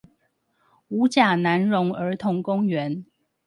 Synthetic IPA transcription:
u˨˧˥t͡ɕja˨˩na˧˥nɻʊ˧˥ŋə˞˧˥t̪ʰʊ˧˥ŋkʊ˥ŋɥɛ˧˦n

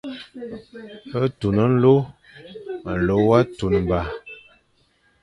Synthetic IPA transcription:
ə˦tu˨nə˦n̩˦lo˦ | mə˨lo˨˦wa˦tu˨n˨ba˨

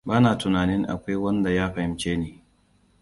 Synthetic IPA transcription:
baː˦naː˨tʊ˨naː˨nɪ˦ŋʔa̰˨kʷa˦jwɐ˦nda˨jaː˦ɸɐ˨hɪ˦mt͡ʃeː˦neː˨

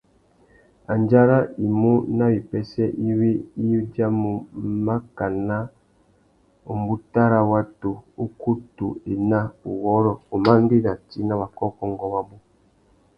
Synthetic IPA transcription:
a˨nd͡ʒa˦ɾa˦i˨mu˦na˦wi˨pɛ˦sɛ˦ʔi˦wi˦i˦u˦d͡ʒa˦mu˨ma˦ka˨na˦ | u˨m˦bu˦ta˦ɾa˦wa˦to˨u˦ku˦tu˨e˨na˦u˨wɔ˨˦ɾɔ˨u˨ma˦m˦bi˦na˨ti˦na˦βa˨kɔ˦kɔ˦ŋ˨ɡɔ˦wa˦bu˦

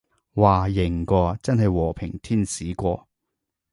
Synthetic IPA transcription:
waː˨˩jɪ˨˩ŋkʷɔː˧t͡sɐ˥nhɐ˨jwɔː˨˩pʰɪ˨˩ŋt̪ʰiː˥˩nsiː˨˥kʷɔː˧

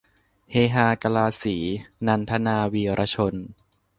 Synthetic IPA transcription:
heː˧ɦaː˧ka˧laː˧siː˩˦na˧nt̪ʰa˧˥naː˧wiː˧ɾʔa˧˥t͡ɕʰo˧n

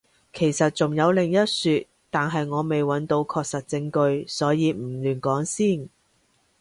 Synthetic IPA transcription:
kʰe˨˩jsɐ˨t̚t͡sʊ˨˩ŋjɐ˨˧wlɪ˨˩ŋjɐ˥t̚syː˧t̚ | t̪aː˨˩nɦɐ˨jŋɔː˨˧me˨jwɐ˨˥nt̪o˧wkʰɔː˧k̚sɐ˨t̚t͡sɪ˧ŋkɵ˧ɥsɔː˨˥jiː˨˧m̩˨˩lyː˨˩nkɔː˨˥ŋsiː˥˩n

